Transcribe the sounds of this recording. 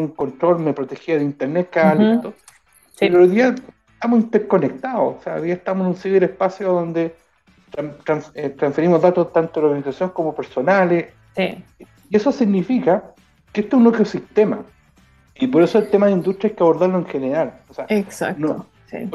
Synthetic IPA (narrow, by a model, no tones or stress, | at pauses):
ŋkont̪ɾoɾmepɾot̪exiaðeint̪eɾnet̪̚kalet̪o | eɾoojðiaeeht̪amosint̪eɾko̞nek̚t̪aðososea̰o̰jðiaeht̪amosenunsiβeɾehpasjoðond̪e | t̪ɾat̪ɾanset̪ɾansfeɾimoɦðat̪ot̪ant̪oðoɾɣanisasjonekomopeɾso̞nale | si | iesosiɣnifika | keet̪oesunokosiht̪ema̰ | ipoɾesoelt̪emaðeind̪ut̪ɾjekeaβo̞ɾðaɾloeŋxeneɾaloseaksa̰knoo | sḭ